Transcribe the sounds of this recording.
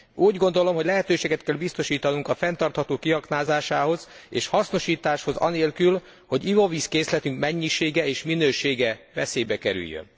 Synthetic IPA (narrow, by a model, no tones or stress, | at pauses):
uːɟɡo̞n̪d̪o̞lo̞mho̞ɟʲlɛɦɛt̪øːʃeːɡɛt̪kɛlbist̪o̞ʃiːt̪ɒnuŋkɒfɛnt̪ɒrt̪hɒt̪oːkiɦɒknaːzaːʃaːɦo̞zḛːʃhɒsno̞ʃiːt̪aːʃho̞zɒ̰neːlkyl | ho̞ɟivo̞viskeːslɛt̪yŋkmɛɲːiʃeːɡɛeːʃminøːʃeːɡɛvɛ̰seːjbɛkɛɾy̰jːø̰n